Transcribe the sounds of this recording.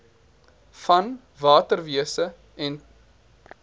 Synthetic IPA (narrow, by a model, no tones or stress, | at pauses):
fɐn | vɑːtərviəsə | ɛn